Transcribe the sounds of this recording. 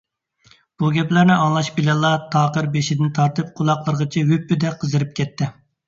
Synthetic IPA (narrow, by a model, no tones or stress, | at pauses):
b̥uɡʲɛplæɾnɪʔɑŋlˠɑʃbɪlɛlˠːɑt̪ʰɑːqəɾbeʃid̪ɪnt̪ʰɑɾt̪ɨp̚qʰʊlˠɑqlˠəɾəʁət͡ʃʰɛwypːyd̪ɛqʰəzɨɾɨp̚kʲʰɛt̪ʰːɪ